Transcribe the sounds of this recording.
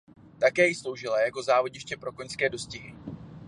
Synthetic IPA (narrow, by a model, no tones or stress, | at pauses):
t̪akɛːjɪslo̞wʒɪlajako̞zaːvoɟɪʃcɛpɾo̞ko̞ɲskɛːdo̞scɪɦɪ